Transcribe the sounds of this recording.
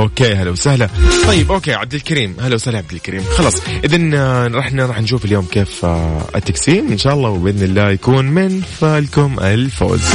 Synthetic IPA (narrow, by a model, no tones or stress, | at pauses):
ʔoːkeːɦalawsahlat̪ˤɑjːɪbʔoːkeːʕabd̪ɪlkaɾiːmhalawsahlaʕab̚d̪ɪlkaɾiːmxɑlɑːsˤʔɪðanɾˤɑːħnaɾˤɑːħnʃ̬uːfaljoːmkeːfɪ̰t̪ːaksiːnʔɪnʃaːʔɑlˤːɑːwɪbɪʔɪðnɪlːaːjakuːnmɪnfalkʊmʔɪ̰lfo̰ːz